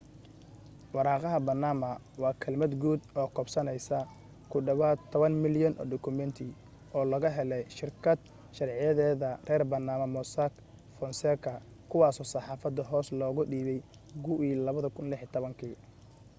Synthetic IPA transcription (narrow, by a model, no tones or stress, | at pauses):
wɑɾɑːqɑɦɐbɐrnaːmɐ | wɑːkʰɐlmɐd̪ɡuːd̪ɔːkʰɔbsɐnɛjsɐ | kʰʊɖɐβaːt̪ʰːɔβɐnmɪljɔnʔɔ̰ːɖʊkʰʊmɛnt̪ʰɪ | ɔːlɐɣɐɦɛlɛjʃɪrkʰɐd̪̚ | ʃɐrʕɪjɐðɛːðɐrɛːrbɐnaːmɐmɔsak | fɔnsɛkʰɐ | kʰʊwɑːsɔːsɑħɑːfɐd̪ɐɦɔːslɔːɣʊɖiːβɛj | ɡʊwiːlɐβɐðɐkʰʊnlɪħɪt̪ʰɔβɐŋkʰiː